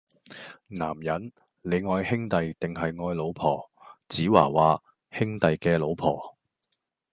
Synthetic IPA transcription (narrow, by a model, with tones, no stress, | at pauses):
naː˨˩mjɐ˨˥n | le˨˧jŋɔː˧jhɪ˥ŋt̪ɐ˨jt̪ɪ˨ŋhɐ˨jŋɔː˧jlo˨˧wpʰɔː˨˩t͡siː˨˥wa̰ː˨˩waː˨˧ | hɪ˥ŋt̪ɐ˨jkɛː˧lo˨˧wpʰɔ̰ː˨˩